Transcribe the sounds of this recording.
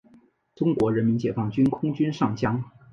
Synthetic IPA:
ʈ͡ʂʊ˥ŋkwɔ˧˥ɻə˧˥nmi˧˥nt͡ɕjɛ˧˥fɑ˥˩ŋt͡ɕy˥nkʰʊ˥ŋt͡ɕy˥nʂɑ˥˩ŋt͡ɕjɑ˥ŋ

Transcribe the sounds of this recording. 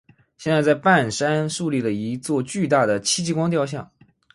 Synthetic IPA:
ɕjɛ˥˧nt͡sa˥˧ɪt͡sa˥˧ɪpa˥˩nʂa˥nʂu˥˧li˥˩d̪ə˩i˧˥t͡swɔ˥˧t͡ɕy˥˧t̪a˥˩d̪ə˩t͡ɕʰi˥t͡ɕi˥˧kwɑ˥ŋt̪̬jɑ˥˧ʊɕ̬jɑ̰˥˩ŋ

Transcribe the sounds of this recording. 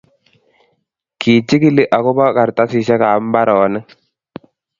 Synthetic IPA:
kʰi˨t͡ʃːɪ˦kɪ˦lɪ˨ʔa˨kɔ˦ba˦ka˨ɾta˦sɪ˨ʃɛ˦kaː˨˦m˦ba˦ɾɔ˨˦nə˦

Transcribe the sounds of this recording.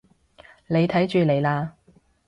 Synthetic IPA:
le˨˧jt̪ʰɐ˨˥jt͡ʃyː˨˧le˨˧jlaː˧

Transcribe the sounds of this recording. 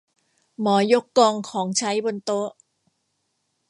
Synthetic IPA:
mɔː˩˦jo˦˥kːɔː˧ŋkʰɔː˩˦ŋt͡ɕʰa˦˥jbo˧nt̪o˦˥ʔ

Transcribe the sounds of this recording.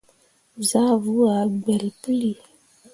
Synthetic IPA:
za˦vu˦a˨ɡ͡bɛ˨lpli˨

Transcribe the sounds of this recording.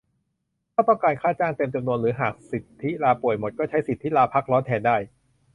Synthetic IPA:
aː˥˩t̪ɔ˥˩ŋkaː˧nkʰaː˥˩t͡ɕaː˥˩ŋt̪e˧mt͡ɕa˧mnu˧ənɾɯː˩˦ɦaː˨˩k̚si˨˩t̪ʰːi˦˥laː˧pu˨˩əjmo˨˩t̪̚kɔː˥˩t͡ɕʰa˦˥jsi˨˩t̪ʰːi˦˥laː˧pʰa˦˥˩k̚ɾɔː˦˥nt̪ʰɛː˧ndaː˥˩j

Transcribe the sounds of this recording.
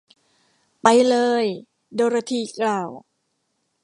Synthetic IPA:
pa˧jlɤː˧j | doː˧ɾa˧t̪ʰiː˧˩klaː˧˨˩w

